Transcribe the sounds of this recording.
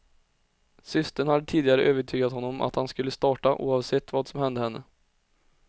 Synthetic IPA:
sʏst̪əɳhad̪ːət̪ʰiːd̪ɪɡaɾəʔøːvəʈʰyːɡat̪hɔnːɔmʔa̰t̪hanskɵlːəst̪ɑːʈaʔṵːɑvsɛt̪ːvɑːd̪sɔmɦɛnd̪əhɛnːə̰

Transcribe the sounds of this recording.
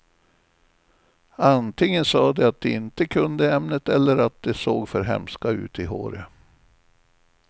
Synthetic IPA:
ant̪ʰɪŋːənsɑːd̪ɛat̪̚d̪ɛɪnt̪əkʰɵnd̪əɛmnət̪ɛlːəɾat̪̚d̪ɛsoːɡfœɾɦɛ̰mskaʉ̟ːt̪ɪɦo̰ːɾə

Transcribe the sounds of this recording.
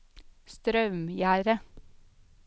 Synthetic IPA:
st̪ɾœʉmjæːɾə

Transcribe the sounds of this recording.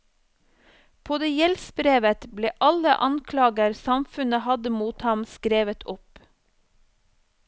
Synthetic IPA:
pʰoːd̪eːjɛlsbɾeːʋət̪bleːʔɑlə̰ʔɑŋkʰlɑːɡəɾsɑmfʉnəhɑd̪əmuːt̪hɑmskɾeːʋət̪ʰʊp

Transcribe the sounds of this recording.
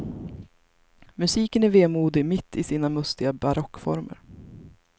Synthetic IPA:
mɵsiːkənæɾveːmuːd̪ɪmɪt̪ʰːɪsiːnamɵst̪ɪɡabaɾɔkːfɔ̰ɾmə̰ɾ

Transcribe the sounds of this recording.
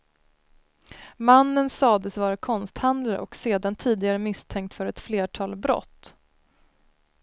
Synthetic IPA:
manːənsɑːd̪əsvɑːɾakʰɔnst̪hand̪laɾʔɔ̰kseːd̪ant̪ʰiːd̪ɪɡaɾəmɪst̪ʰɛŋk̚t̪fœɾɛt̪fleːʈʰɑːlbɾɔ̰t̪ː

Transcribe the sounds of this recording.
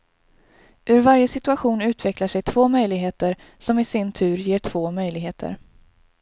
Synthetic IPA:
ʔɵɾvaɾjəsɪt̪ɵaɧuːnʉ̟ːt̪ʰvɛklaʂɛjt̪ʰvoːmœjlɪɡɦeːt̪əɾ | sɔmɪsɪnt̪ʰʉ̟ːɾjeːʈʰv̥oːmœjlɪɡɦeːt̪ʰə̰ɾ

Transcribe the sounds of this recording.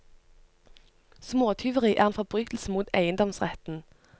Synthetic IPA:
smoːt̪ʰʏʋəʁiːʔæːʁeːnfɔbʁyːt̪l̩səmuːt̪æɪənd̪ɔmsʁɛt̪n̩

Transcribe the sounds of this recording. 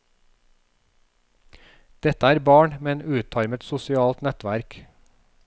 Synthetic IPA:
d̪̥ɛt̪əæːɾbɑːɳmɛnʉːt̪ʰɑɾmət̪sʊsɪɑːlt̪nɛt̪ʋæɾk

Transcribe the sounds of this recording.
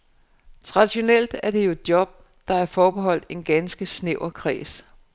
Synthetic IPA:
t͡sʰʁɑ̈d̥iɕo̝nel̰d̥æɐd̥e̝jo̝ed̥jɒ̽b̥̚ | d̥ɑ̈æɐfɒːb̥eɦɒ̽l̰d̥e̝nɡ̥ænsɡ̥əsneʊɐkʰʁḭːs

